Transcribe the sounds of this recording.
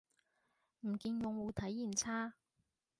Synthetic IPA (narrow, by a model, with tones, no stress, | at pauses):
m̩˨˩kiː˧njʊ˨˧ŋwuː˨˧t̪ʰɐ˨˥jːi˨˩nt͡sʰaː˥